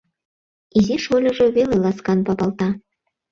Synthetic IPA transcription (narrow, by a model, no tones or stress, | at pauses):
izʲiʃolʲɤ̆ʒɤ̆βelelˠɑskɑnpɑpɑlˠt̪ɑ